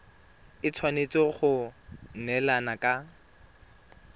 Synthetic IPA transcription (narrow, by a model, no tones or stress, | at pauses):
ɪt͡sʰwanet͡sɔχʊnɛlanakʼa